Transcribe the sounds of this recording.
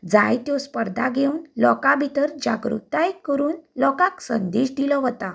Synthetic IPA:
d͡zajt̪jɔspəɾd̪ʱaɡʱeunlɔkabʱit̪əɾd͡ʑa̰ɡɾṵt̪ajekəɾuːnlɔkãksənd̪eɕd̪ilɔʋɔt̪a

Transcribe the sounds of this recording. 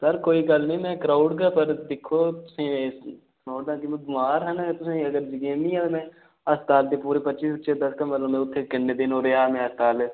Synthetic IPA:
səɾkoːiːɡəlnĩːmɛ̃ːkɾaːʊɖɡapəɾd̪ɪkʰːoːt̪ʊsĩːes | kaːʊɖd̪ãːkim̃ɡʊmaːɾɦənt̪ʊsẽːəɡəɾd͡ʒɪɡẽnĩːãːt̪ːmɛ̃ː | əst̪aːlt̪eːpuːɾeːpətːt͡ʃiːsət͡ʃed̪əskəmːət̪ləbmẽːʊt̪ʰːeːkɪnːeːd̪ɪnoːɾeaːmẽːəst̪aːlː

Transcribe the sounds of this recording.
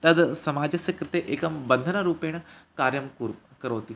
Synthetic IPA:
t̪ɐd̪sɐmaːd͡ʒɐsjɐkɾɪt̪eʔeːkɐmbɐnd̪ʱɐnɐɾuːpeːɳ̃ɐkaːɾjɐmkkɐɾoːt̪i

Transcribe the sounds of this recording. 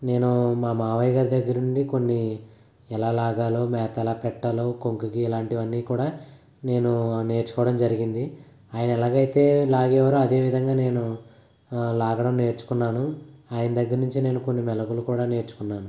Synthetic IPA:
ne̞ːnumaːmaːʋajɡaːɾid̪ɐɡːɐɾuɳɖiko̞nːi | ɛlaːlaːɡaːloːmɛːt̪ɛlaːpɛʈːɐloːkoŋkukiːlaːɳʈiʋɐnːiːkuːɽaː | ne̞ːnune̞ːɾt͡ʃu̥kɔːʋɐɽɐmd͡ʒɐɾiɡind̪i | aːjɐnɐɛlaːɡɐjit̪e̞ːlaːɡɛːʋaːɾuɐd̪e̞ːʋid̪ʱɐŋɡaːne̞ːnu | laːɡɐɽɐmne̞ːɾt͡ʃu̥kunːaːnuaːjɐnɐd̪ɐɡːɐɾnuɲt͡ʃine̞ːnuko̞nːimɛlɐkulukuːɽaːne̞ːɾt͡ʃu̥kunːaːnu

